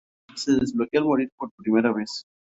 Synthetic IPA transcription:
se̞ðezβlokealmo̞ɾiɾpo̞ɾpɾimeɾaβes

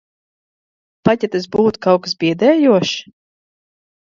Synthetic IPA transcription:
patʲɛt̪ɛs̬buːt̪u̥kawksbʲiɛd̪ɛːjuɔʃ

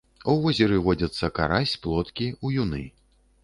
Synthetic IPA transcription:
uvɔzʲɛɾɨvɔd͡zʲɐt̪sːɐka̰ɾasʲplˠɔt̪kʲiujunɨ

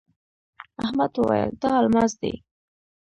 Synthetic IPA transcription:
ahmad̪wəwa̰jə̰ld̪ɑːlmɑzd̪ḛ

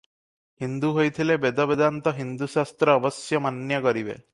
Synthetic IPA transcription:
hind̪uɦojt̪ʰilebed̪ɔbed̪ant̪ɔɦind̪usast̪ɾɔːbɔsjɔmanjɔkɔɾibḛ

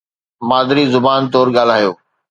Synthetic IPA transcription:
maːd̪ɪɾizʊbaːnt̪̬ɔːɾɠaːl̤aːjoː

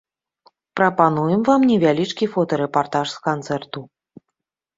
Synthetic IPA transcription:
pɾɐpanujɛmvamnʲɛvʲalʲit͡ʂkʲifɔt̪ɐɾɛpart̪aʂskant̪sɛrt̪u

